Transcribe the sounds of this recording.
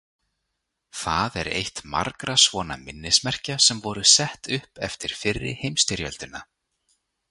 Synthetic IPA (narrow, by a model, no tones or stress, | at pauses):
θaðɛɾḛjht̪ma̰ɾkɾasvɔːna̰mɪnːɪsmɛr̥casɛmvɔɾʏsɛht̪ʏhpɛ̰ft̪ɪɾ̥fɪrːɪ̰hejmst̪ɪɾjœ̰lt̪ʏna